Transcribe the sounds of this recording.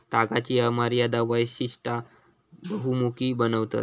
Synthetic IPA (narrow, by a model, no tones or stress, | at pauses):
t̪aɡat͡ɕiːəmaɾjad̪aʋəjɕiʂʈa | bəɦumukiːbənəʋt̪a̰t̪